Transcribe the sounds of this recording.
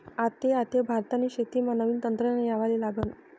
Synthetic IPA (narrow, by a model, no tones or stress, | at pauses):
at̪eat̪ebʱaɾt̪aniɕet̪iːmanəʋiːnt̪ənt̪ɾənjaʋalelaɡən